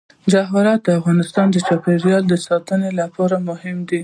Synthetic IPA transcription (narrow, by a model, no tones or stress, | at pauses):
d͡ʒaɦɑɾɑt̪̚d̪əafɣɑnɪst̪ɑnd̪ət͡ʃɑpeɾjɑld̪əsɑt̪ənelapɑɾamʊhɪmd̪i